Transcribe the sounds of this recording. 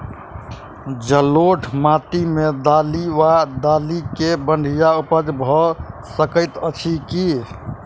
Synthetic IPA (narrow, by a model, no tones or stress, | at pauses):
d͡ʒəloʈʰmat̪imed̪aliʋad̪alikebəɳɖʱijaupəd͡ʒbʱɔsəkəɪt̪ət͡ʃʰiki